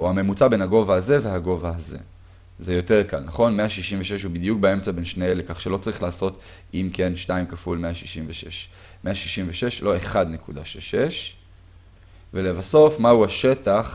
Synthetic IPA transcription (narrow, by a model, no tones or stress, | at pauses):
uame̞mut͡sabe̞nhaɡo̞vaːzeve̞ɦaɡo̞vaːze̞̰ | zejo̞teʁ̞kalnaχo̞nmeaʃiʃimveʃeʃhubid̪juk̚bee̞mt͡sabe̞nʃneelekaχʃe̞lo̞t͡saʁiχlaːso̞t̪ | imkenʃtaimkafulmeaʃi̥ʃimveʃeʃ | meaʃi̥ʃimveʃeʃlo̞e̞χad̪nekudaʃelʃeʃ | ve̞levaso̞fmauaʃe̞taχ